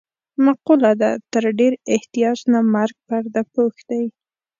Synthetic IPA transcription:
maqulad̪at̪əɾɖeɾɪht̪ijɑt͡ʃnamaɾɡ̚paɾd̪apoxd̪aj

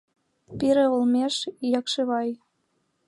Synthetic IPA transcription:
piɾĕolmʲeʃjɑkʃeβɑj

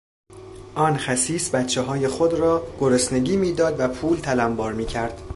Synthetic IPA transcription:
ʔɒːnxæsiːsbæt̪t͡ʃʰːeɦɒːje̞xod̪rɒːɡ̥oɾosne̞ɡiːmiːd̪ɒːd̪væpʰuːlt̪ʰælæmbɒːɾmiːcʰæɾd̪̥

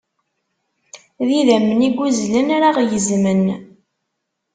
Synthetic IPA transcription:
ðiðæməniɡʷuzlənɾaʁjəzmən

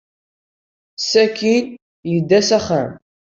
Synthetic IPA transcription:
sækːin | jəd̪ːæsæχæm

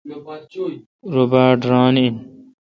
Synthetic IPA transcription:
ɾobaːʈɾaːniin

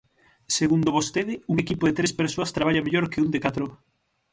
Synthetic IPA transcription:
seɣund̪oβost̪eðɪuŋekipoðɪt̪ɾespeɾsoast̪ɾaβaʎameʎoɾkɪund̪ɪkat̪ɾo

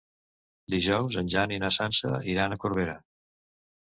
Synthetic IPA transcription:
d̪iʒɔwzənʲʒaninəsansəiɾanəkuɾβeɾə

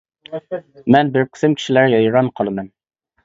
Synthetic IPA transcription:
mɛnbɪɾkʲʰʊ̥sɪmkʲʰi̥ʃilæɾɡʲɛjiɾɑnqʰɑlˠɨmɛn

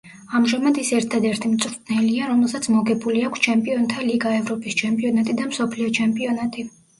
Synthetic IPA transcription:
amʒamad̪isɛɾt̪ʰad̪ɛɾt̪ʰimt̪sʼɾt̪ʼnɛliaɾɔmɛlˠsat̪sʰmɔɡɛbuliakʰst͡ʃʰɛmpʼiɔnt̪ʰaliɡaɛvɾɔpʼist͡ʃʰɛmpʼiɔnat̪ʼid̪amsɔpʰliɔt͡ʃʰɛmpʼiɔnat̪ʼi

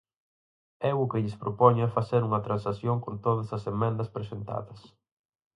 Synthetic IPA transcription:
ɛʊkɪʎɪspɾopɔɲɐɛfaθeɾuŋɐt̪ɾãnsaθjoŋkont̪oðɐsɐsemɛ̃nd̪ɐspɾesent̪a̰ðɐs

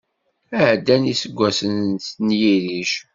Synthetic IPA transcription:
æʕd̪ːænisəɡʷːæsənsnjiɾiʃ

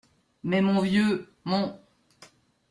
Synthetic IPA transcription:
mɛmɔ̃vjø | mɔ̃

